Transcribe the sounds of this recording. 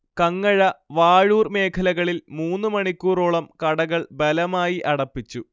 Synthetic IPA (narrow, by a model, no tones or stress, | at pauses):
kɐŋːɐɻɐʋaːɻuːrme̞ːkʰɐlɐɣɐɭilmuːnːɨmɐɳikʲːuːroːɭɐmkɐɽɐɣɐɭbɐlɐmaːjiʔɐɽɐpːit͡ɕːu